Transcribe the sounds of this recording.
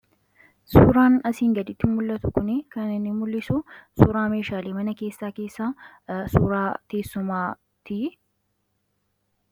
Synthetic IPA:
suːɾaːnɐsiːŋɡɐd̪ɪt̪ːɪmːʊlːɐt̪ʊkʊnɪkɐnɪnːɪmʊlːɪsʊsuːɾaːme̞ːʃaːleːmɐnɐke̞ːsːaːke̞ːsːaː | suːɾaːt̪eːsːʊmaː | t̪i

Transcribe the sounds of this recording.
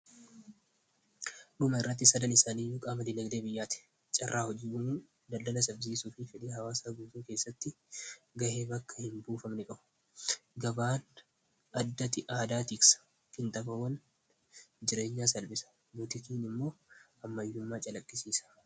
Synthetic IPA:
ᶑʊmɐɪrːɐt̪̬ːɪsɐd̪ɐnɪsaːniːjuːkʼaːmɐd̪ɪnɐɡd̪eːbɪjːaːt̪ɪ̥ | t͡ʃʼɐrʔaːhɔd͡ʒiːjʊmuː | d̪ɐld̪ɐlɐsɐbziːsuːfɪfɪᶑiːhɐwaːsaːɡuːt̪uːke̞ːsːɐt̪ːɪ | ɡɐʔe̞ːbɐkːɐ̥hɪmbuːfɐmnɪkʼɐbʊ̥ | ɡɐbaːn | ɐd̪ːɐt̪ɪʔaːd̪aːt̪iːksɐ̥ | kɪnt̪ʼɐbɐwɐn | d͡ʒɪɾe̞ːɲːaːsɐlbɪsɐ̥ | buːt̪ɪk̪iːnɪmːo̞ː | ɐmːɐjːʊmːaːt͡ʃʼɐlɐkʼːɪsiːsɐ̥

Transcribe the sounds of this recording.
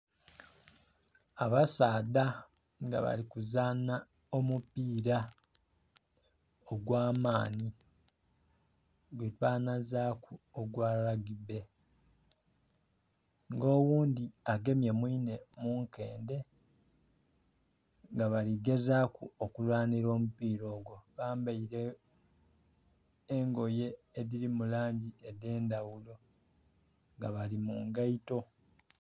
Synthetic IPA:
aβasaːdaŋɡa̰βa̰ɾikuzaːnaomupiːɾa | oɡwaːmaːni | ɡwetaːnazakuoɡwaːlaɡibe̞ | ŋɡo̞ːwuːnd̪iaɡe̞mjemwiːne̞muŋke̞ːnde̞ | ŋɡaβaliɡe̞zakuokulwaːniɾo̞ːmupiːɾo̞ːɡwo̞βaːmbaiɾe | ŋɡo̞je̞ːðiɾimulaːɲɟiede̞ːndawulo̞ | ŋɡaβalimuŋɡaito̞

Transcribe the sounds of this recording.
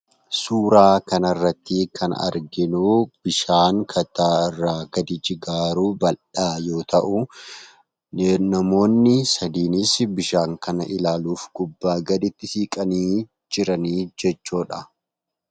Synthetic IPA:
suːɾaːkɐnɐrːɐt̪ːɪkʰɐnɐ̰ɾɡɪnub̥ɪʃaːŋkʰɐt̪aːɪrːaːɡ̥ɐd̪ɪd͡ʒɪɡaːɾuːbɐlᶑaːjo̞ːt̪ɐʔʊ | nenɐmo̞ːnːɪsɐd̪iːnɪsbɪʃaːŋkɐnɐʔɪlaːluːfɡʼʊbːaːɡɐd̪ɪt̪ːɪsiːkʼɐniː | d͡ʒɪɾɐniːd͡ʒɛt͡ʃːuːᶑɐ

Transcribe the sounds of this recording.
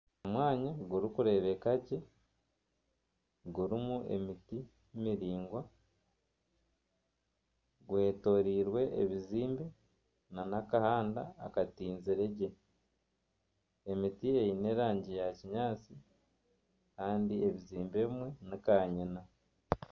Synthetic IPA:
omwaːɲaɡuɾikuɾe̞ːβe̞kaɟe̞ | ɡuɾimue̞̰miti | miɾiːŋɡwa | ɡuhe̞ːto̞ːɾiːɾwe̞ʔeβiziːmbe̞ | nanakahaːnda̰ːkatiːnziɾe̞ɟe̞ | emitiejine̞ːɾaːɲɟijaciɲaːt͡si | kaːndieβiziːmbeβimwe̞nikaːɲina

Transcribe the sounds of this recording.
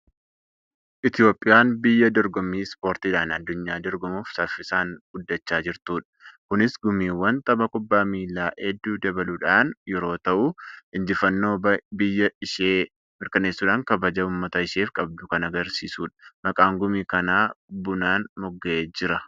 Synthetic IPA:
ʔɪt̪ɪjo̞ːpʼːɪjaːnbɪjːɐd̪ɔɾɡɔmiːspoːɾt̪iːᶑaːnɐd̪ːʊɲːaːd̪ɔɾɡɔmuːfsɐfːɪsaːnɡ̥ʊd̪ːɐt͡ʃːaːd͡ʒɪɾt̪uːᶑɐ̥kʊnɪsɡʊmiːwːɐnt̪ʼɐbɐkʼʊbːaːmiːlːaːʔɛd̪ːuːd̪ɐbɐluᶑaːnjɛɾo̞ːt̪ɐʔuɪnd͡ʒɪfɐnːo̞ːbɐbɪjːɐɪʃeː | mɪɾkɐne̞ːsːuːᶑaːŋkɐbɐd͡ʒɐuːmːɐt̪ɐɪʃeːfkʼɐb̚d̪ʊkɐnɐɡɐɾsiːsuːᶑɐ̥mɐkʼaːŋɡʊmiːkɐnaːbʊnaːnmɔɡːɐʔeːd͡ʒɪɾɐ

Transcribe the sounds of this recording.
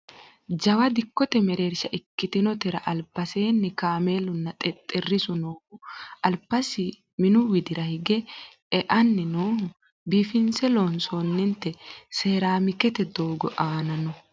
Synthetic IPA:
d͡ʒɐwɐd̪ɪkːɔt̪ɛmɛɾe̞ːɾʃɐʔɪkːɪt̪ɪnɔt̪ɛɾɐʔɐlpːɐse̞ːnːɪkaːme̞ːlʊnːɐt̪ʼɛt̪ʼːɪrːɪsʊnoːhʊʔɐlpːɐsɪ | mɪnʊwɪd̪ɪɾɐhɪɡɛ | ɛʔɐnːɪnoːhʊ | biːfɪnsɛloːnsonːɪnt̪ɛseːɾaːmɪkɛt̪ɛd̪o̞ːɡɔ̰ʔaːnɐnɔ

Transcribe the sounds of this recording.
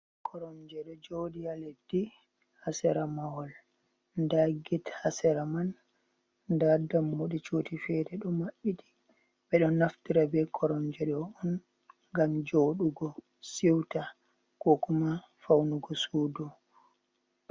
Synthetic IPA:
kʰɔɾɔnd͡ʒɛɗɔd͡ʒoːdijaledːi | hasɛɾamawɔl | ndaɡithasɛɾaman | dadamːoɗit͡ʃutifɛdɛɗɔmaɓːitʰi̥ | ɓɛɗɔnːaftiɾabɛkʰɔɾɔnd͡ʒɛɗɔɔn | ɡamd͡ʒoɗuɡɔ | siwta | kɔkuma | fawnuɡɔsuːdɔ

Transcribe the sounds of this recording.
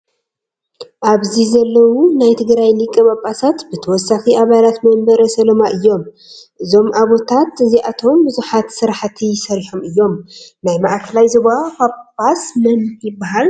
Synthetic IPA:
ʔaβzizɐlːɐwunajt̪ʰɨɡɾajlɨkʼːɨβapʼːasat̪bɨt̪ʰɐwɔsːaxiʔaβalat̪mɐmbɐɾɐsɐlɐmaʔɨjːo̞m | ʔɨzo̞mʔaβot̪ʰat̪ɨziʔat̪ʰo̞mbɨzuħat̪sɨɾħt̪ʰisɐɾiħomɨjːo̞mnajmaʔkʰɐlajzoβakapʼːasmɐnjɪbːaɦal

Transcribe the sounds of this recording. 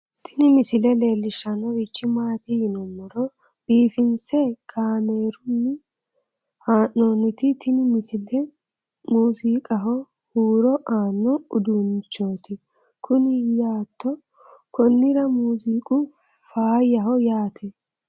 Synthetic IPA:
t̪ʰɪnɪmɪsɪlɛle̞ːlːɪʃɐnɔwɪt͡ʃːɪmaːt̪ɪhɪnɔmːɔɾɔ | b̥iːfɪnsɛkʰaːmeːɾʊnːɪ | haːnːoːnːɪt̪ɪt̪ʰɪnɪmɪsɪlɛ | muːsiːkʼɐɦɔ | huːɾɔʔaːnːɔʊd̪unt͡ʃːoːt̪ɪ | kʰʊnɪjaːt̪ːɔ | kɔnːɪɾɐmuːsiːkʼʊfaːjɐɦɔjaːt̪ʰɛ

